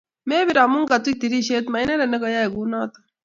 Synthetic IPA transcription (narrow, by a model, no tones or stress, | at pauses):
meːbiɾaːmuŋɡat̪ik̚t̪iɾiɕet̪mɐjneɾɐnɐkɐjaeɡunaːt̪